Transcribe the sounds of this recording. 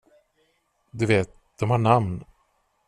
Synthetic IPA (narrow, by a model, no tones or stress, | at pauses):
d̪ɵveːt̪̚ | d̪̥ɔmhaɳamn